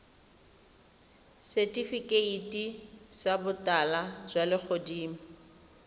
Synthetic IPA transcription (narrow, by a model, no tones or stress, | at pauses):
setʼifikʼeitʼisabʊtʼalad͡ʒwalɪk͡xʰodiːm̩